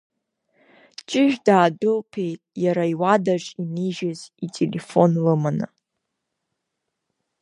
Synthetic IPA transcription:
t͡ʃʼɪʒᶣdaːdɨlpʰe̞jtʼjaɾaiwadaʐiniʒɪzitʼelʔefonlɨmanɨ̰

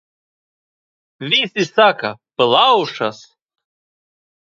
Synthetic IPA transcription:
visisaka̰pɨlˠauʂas

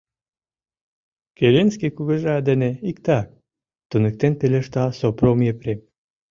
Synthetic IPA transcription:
kelenskekuɣə̆ʒeɑd̪eneikt̪ɑk̚ | t̪unɨk̚t̪enpelʲeʃt̪ɑsopromjepɾem

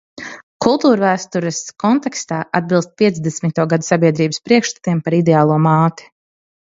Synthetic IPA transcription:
kulˠt̪uːɾvæːst̪uɾɛskɔnt̪ɛkst̪aːʔad̪̚bilˠst̪̚pʲiɛd̪zd̪ɛsmʲit̪uɔɡad̪usabʲiɛd̪ɾiːbəspɾiɛkʃt̪ḁt̪iɛmpaɾid̪ɛaːlˠuɔmaːt̪i̥

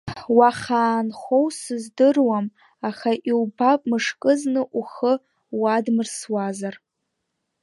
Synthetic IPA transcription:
waχaːnχʷo̞wsɨzdɨrwam | aχaʔiwbapʼmɨʂkʼɨznɨʔuχə | wadmɨrswazar

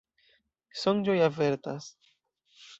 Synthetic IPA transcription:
sond͡ʒojaveɾt̪as

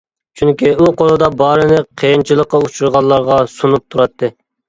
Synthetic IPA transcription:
t͡ʃʰyŋkʲiuqʰolˠɨd̪ɑbɑːɾɨnɪqʰejint͡ʃʰilˠəqːɑut͡ʃʰuɾʁɑlˠːɑɾʁɑsunup̚t̪ʰuɾɑt̪ʰːɨ

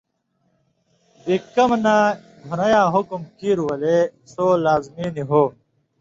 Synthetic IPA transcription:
ikːɐmnã | ɡʱunɐjãːɦukumkiːɾuwɐlesoːlaːzmiːniɦoː

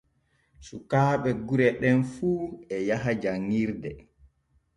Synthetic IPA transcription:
sukaːɓɛɡuɾɛɗɛnfuːɛjaɦad͡ʒaŋːiɾdɛ

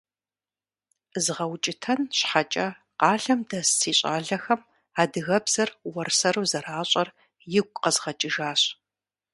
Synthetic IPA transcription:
zɨʁɐwt͡ʃʼɪtʰɐnɕħat͡ʃʼɐ | qɑːɮɐmdɐssiːɕʷʼa̰ːɮɐxɐm | aːdɨɣɐbz̥ɐrwɐrsɐɾuːzɐraːɕʼɐr | jɪɡʷʼqɐzʁɐt͡ʃʼɪʒaːɕ

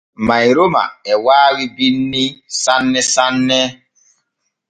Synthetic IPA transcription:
majɾoma̰ɛwaːwibinːisanːɛsanːɛ

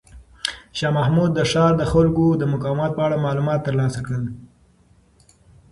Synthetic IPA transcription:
ʃɑmahmud̪̚ːəʂɑɾd̪əxʊlkod̪əmʊkɑwamɑt̪̚pəaɽamɑlumɑt̪ːəɾlɑsakɽəl

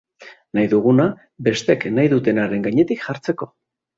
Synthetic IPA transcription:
najðuɣ̞una | be̞st̪e̞knajðut̪e̞naɾe̞ŋɡaɲe̞t̪ikʝaɾt͡se̞ko̞

